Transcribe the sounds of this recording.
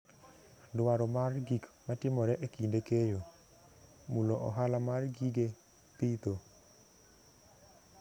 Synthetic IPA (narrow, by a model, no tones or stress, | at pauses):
dwaɾɔmarɡikmatɪmɔɾɛʔekindekejo | muloʔɔ̰ɦalamarɡiɡe | pit̪o